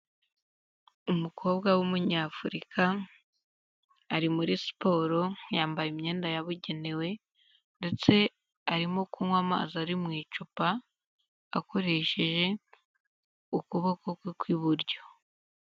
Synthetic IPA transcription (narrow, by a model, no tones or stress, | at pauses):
umukʰo̞ːbɡawumuɲaːfuɾikʰa | ɾimuɾisi̥po̞ːɾo̞jaːmbajimɲe̞ːndajaβuɟe̞ne̞we̞ | nde̞t͡se̞ | aɾimokʰuːŋwama̰ːzaaɾimŋiːt͡ʃupaː | ko̞ɾe̞ːʃe̞ʒe̞ | ukuβakokwikwiβuɾɟo̞